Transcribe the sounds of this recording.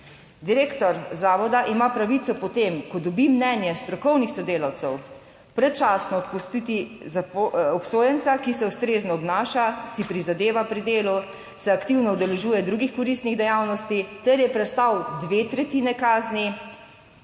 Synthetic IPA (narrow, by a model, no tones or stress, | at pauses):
d̪iɾeːkt̪ɔɾzaːʋɔd̪aʔimapɾaʋit̪sɔpɔt̪eːmkɔd̪ɔbimnɛnjɛst̪ɾɔkɔwnixsɔd̪eːlawt̪sɛw | pɾɛt͡ʃaːsnɔppust̪it̪izapɔpsoːjɛnt̪sakisɛust̪ɾeːznɔɔbnaːʃasipɾizad̪eːʋapɾid̪eːlu | sɛakt̪iwnɔud̪ɛlɛʒuːjɛd̪ɾuːɡixkɔɾist̪niɣd̪ɛjaːwnɔst̪it̪ɛɾjɛpɾɛt̪st̪awd̪ʋeːt̪ɾɛt̪inɛkaːzni